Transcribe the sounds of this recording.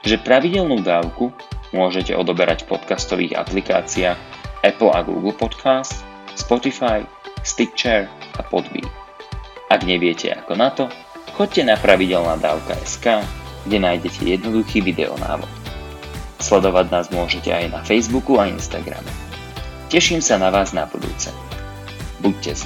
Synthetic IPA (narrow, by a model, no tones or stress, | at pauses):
ʒɛpɾaʋiɟɛlnuːd̪aːʊku | mʊɔʒɛcɛ̰ʔɔd̪ɔbɛɾacfpɔt̪kast̪ɔʋḭːɣa̰plika̰ːt͡siaːxɛpl̩a̰ɡṵːɡl̩pɔt̪kʰaːst̪ | spɔt̪ifaj | st̪ik̚t͡ʃɛɾapɔd̪bḭː | ʔaɡɲɛʋɪɛcɛ̰akɔnat̪ɔ | xɔc̚cɛnapɾaʋiɟɛlnaːd̪aːʊka̰ʔɛskaːɡ̥ɟɛnajɟɛcʰɛ̰jɛd̪nɔd̪uxiːʋid̪ɛ̰ɔ̰na̰ːʋɔ̰t̪ | slɛd̪ɔʋaɟnaːzmʊɔʒɛcɛ̰ajnafɛjzbukuainst̪aɡɾa̰mɛ | cɛʃiːmsanaʋaːznabud̪ṵːt͡sɛ | buc̚cɛ